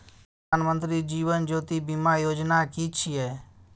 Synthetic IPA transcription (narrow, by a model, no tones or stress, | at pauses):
pəaːnmə̃nt̪ɾiːd͡ʒiːʋənd͡ʒoːt̪iːbimaːjoːd͡ʒnaːkiːt͡ʃʰieː